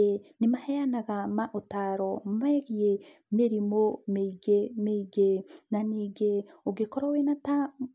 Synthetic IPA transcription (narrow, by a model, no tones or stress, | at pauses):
enimahejanaɣamaʔotaɾommaeɣie | meɾimomeɡemeɡenaniɡeoɡekoɾowenata